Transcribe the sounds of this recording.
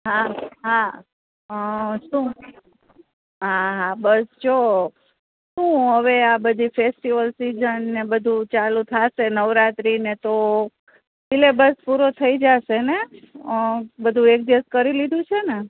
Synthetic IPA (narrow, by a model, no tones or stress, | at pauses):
ɦaɦa | ʃũ | ɦaɦabəst͡ʃʰo | ʃũɦəʋeabəd̪ʱifesʈiʋəlsizənːebəd̪ʱũt͡ʃalũt̪ʰaʃenəʋɾat̪ɾinet̪o | dilebəspuɾot̪ʰəid͡ʒaʃene | bəd̪ʱũek̚d̪iʋəskəɾilid̪ʱũt͡ʃʰene